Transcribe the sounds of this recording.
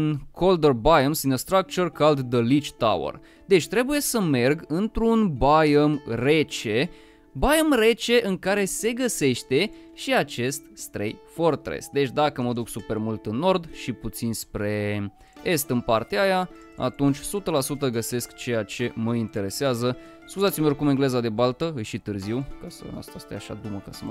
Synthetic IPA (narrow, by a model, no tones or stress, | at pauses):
nkʰo̞ld̪ərbajəmsinest̪ɾak̚t͡ʃorkald̪d̪əlit͡ʃt̪a̰wə̰r | d̪e̞t͡ʃʲt̪ɾe̞buje̞səme̞rɡɨnt̪ɾunbajmre̞t͡ʃe̞ | bajemre̞t͡ʃe̞ʔɨŋkaɾe̞se̞ɡəse̞ʃt̪e̞ʃiat͡ʃe̞st̪st̪ɾḛjfort̪ɾḛst̪̚d̪e̞t͡ʃʲd̪akəməd̪uksupe̞rmult̪ɨnːo̞rd̪ʃiput̪sinspɾe̞ | e̞st̪ɨnpart̪eaja | a̰t̪unt͡ʃʲsut̪əlasut̪əɡəse̞skt͡ʃe̞jat͡ʃe̞məint̪e̞ɾe̞seazə | skuzat̪sʲimekumeŋɡle̞zad̪e̞balt̪əɨjʃit̪ɨrziwkasə̰a̰st̪ast̪ajaʃa̰d̪uməkasəm